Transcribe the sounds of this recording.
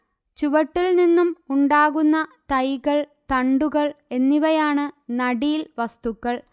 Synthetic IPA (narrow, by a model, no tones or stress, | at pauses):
t͡ɕuʋɐʈːilninːumuɳɖaːɣunːɐt̪ɐjɣɐɭ | t̪ɐɳɖuɣɐɭe̞nːiʋɐjaːɳɨnɐɽijlʋɐst̪ukːɐɭ